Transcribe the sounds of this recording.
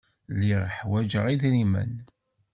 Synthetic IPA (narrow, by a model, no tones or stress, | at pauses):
lːiʁħwæd͡ʒəʁiðɾimə̰n